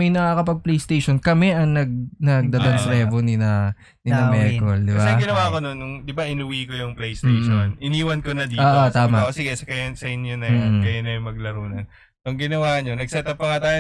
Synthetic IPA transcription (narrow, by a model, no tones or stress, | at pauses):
mɐjnɐŋakɐpɐɡ̚plejst̪ejʃonkɐmɛʔɐŋnɐɡ̚nɐɡ̚d̪aːd̪onsɾɛːvonɪnɐ | nɪɐmɛkold̪ɪɐbsaɛɡɪnɐwaːkononːʊŋd̪ɪbaʔɪnʊwiːkojʊŋplɛjst̪ejʃonʔɪniːwɐnkonɐd̪iːoːʔot̪aːmɐosɪɡɛsɐkɐjɐnsɐɪnjonɐmːɡɐjanɐjʊŋmɐɡ̚lɐɾuːnɐn | ɐŋɡɪnɐwaːʔɲonɐɡ̚sɛt̪ɐpːɐŋat̪aːjo